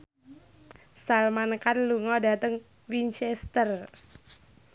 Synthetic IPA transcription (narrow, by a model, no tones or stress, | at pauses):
salmankanluŋɔda̤t̪əŋ | wint͡ʃɛst̪ər